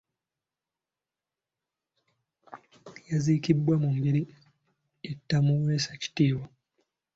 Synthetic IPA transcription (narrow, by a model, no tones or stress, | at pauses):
jazikibːwamumbiɾi | etːamuweːsḁci̥tiːwa